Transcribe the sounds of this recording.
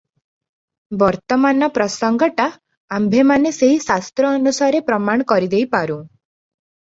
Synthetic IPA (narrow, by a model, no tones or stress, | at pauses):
bɔɾt̪ɔmanɔpɾɔsɔŋɡɔʈa | ambʱemaneseɦisast̪ɾɔːnusaɾepɾɔmaɳ̃ɔkɔɾid̪ejpaɾũ